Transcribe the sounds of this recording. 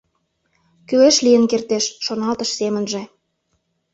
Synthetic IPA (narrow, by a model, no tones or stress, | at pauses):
kyeʃlijənkert̪eʃːonɑlt̪əʃsemənʒĕ